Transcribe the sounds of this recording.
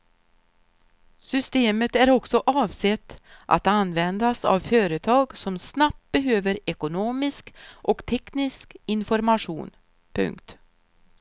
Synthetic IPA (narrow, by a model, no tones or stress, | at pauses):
sʏst̪eːmət̪æɾɔksɔʔɑːvsɛt̪ːʔa̰t̪anvɛnd̪asa̰vføːɾət̪ʰɑːɡsɔmsnap̚t̪̚bɛɦøːvəɾɛkʊnoːmɪskʔɔkt̪ʰɛknɪskɪnfɔɾmaʂṵːn | pʰɵ̰ŋkt̪